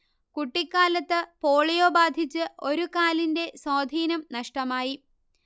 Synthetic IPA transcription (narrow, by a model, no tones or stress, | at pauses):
kuʈːikʲːaːlɐt̪ːɨpo̞ːɭijo̞ːbaːd̪ʱit͡ɕːɨʔo̞ɾukaːlinde̞soːd̪ʱiːnɐmnɐʂʈɐmaːji